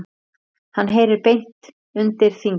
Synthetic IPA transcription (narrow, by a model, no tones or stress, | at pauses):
hanːɦeːjɾɪɾpejn̥t̪ | ʏnt̪ɪɾ̥θiŋ